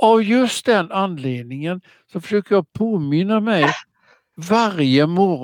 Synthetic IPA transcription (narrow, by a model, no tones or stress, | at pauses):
ʔavjɵst̪̚d̪ɛnanːleːd̪̚nɪŋən | sɔfœ̥ʂøːkəɾjɑpʰoːmɪnːamɛj | vaɾjəmɔɾ